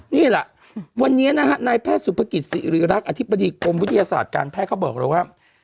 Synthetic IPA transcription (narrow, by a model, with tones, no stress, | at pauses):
niː˥˩lɛ˨˩ʔ | wa˧nːiː˦˥ɐna˦˥kʰa˦˥naː˧jpʰɛː˥˩t̪̚su˨˩˦pʰa˧ki˨˩t̪̚sḭ˨˩ɾɯː˩˦ɾa˦˥k̚ʔa˧t̪ʰi˦˥bːa˧diː˧ko˧mwt̪ʰːjaː˧sa̰ː˨˩t̪̚ka̰ː˧npʰɛː˥˩kʰa˥˩wbɔː˨˩k̚ɾa̰˧˨˦waː˥˩